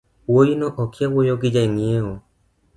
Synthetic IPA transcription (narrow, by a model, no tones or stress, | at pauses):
wojinoʔɔkʰjawojoɡɪd͡ʒaiŋeo